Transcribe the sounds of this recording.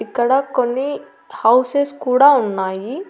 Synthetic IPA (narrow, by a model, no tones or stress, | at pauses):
ikːɐɽakonːi | hɐwseskuːɽaunːaːji